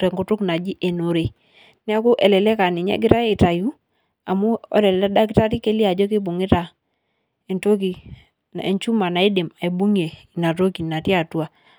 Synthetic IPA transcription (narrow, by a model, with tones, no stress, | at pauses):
tɛ˨ŋɡʊ˨tʊ˦kna˨d͡ʒi˦ʔe˨no˨ɾe˨ | nɛ˦a˦kʊ˦ʔɛ˨lɛ˨lɛ˦ka˨nɪ˨ɲɛ̰˦ɡɪ˦ɾa˦e˨ta˨ju˦ | a˨mu˦ɔ̰˦lɛ˨lla˦da˦k̬ɪ˦ta˦ti˦ke˦li˦a˨d͡ʒɔ˦k̬ɪ˦bʊ˨ŋɪ˦ta˨ | ɛ˨nto˦k̬i˨ | n˨ɛ˨ɲt͡ʃu˦ma˨na˨i˦de˨ma˨i˨bu˦ŋje˨i˨na˨to˦ki˨na˨ti˦a˨twa˨